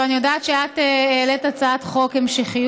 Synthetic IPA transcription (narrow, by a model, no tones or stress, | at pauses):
anijodaetʃeateeːletat͡saatχo̞khemʃeχi